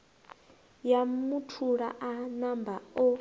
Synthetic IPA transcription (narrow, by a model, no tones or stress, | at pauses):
jamutʰuɺa̰ʔanambaɔ